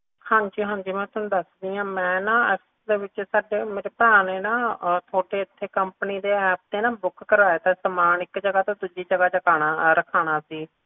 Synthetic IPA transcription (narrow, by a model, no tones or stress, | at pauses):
hãːɲd͡ʒiːɦãːɲd͡ʒiːmɛ̃ːt̪ənd̪əsd̪iːãːmɛ̃ːnaːəs | d̪eːʋɪt͡ʃsaːɖeːmeːɾeːpɛːneːnãːt̪ʰoːʈeːɪt̪ʰːeːkəmpniːd̪eːɛːp̚d̪eːnãːbʊkkəɾaːeːt̪ãːsəmaːnɪkd͡ʒəɡaːt̪ãːd̪ʊd͡ʒiːd͡ʒəɡaːt͡ʃəkaːnaːɾəkʰaːnaːsiː